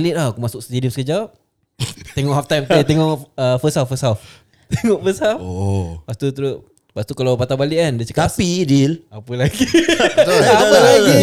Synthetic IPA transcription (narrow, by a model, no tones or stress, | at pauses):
lɪt̪̚akumasʊk̚st̪idiɔsəkəd͡ʒa | t̪eŋɔʔɦaft̪ajmt̪lit̪eŋɔʔəfəsawfəsaf | t̪eŋɔʔfəsafopaʔst̪ut̪uɾʊ | paʔst̪ukalawpat̪abaliʔandiət͡ʃək̪appidilapəlaɡi | apəlaɡi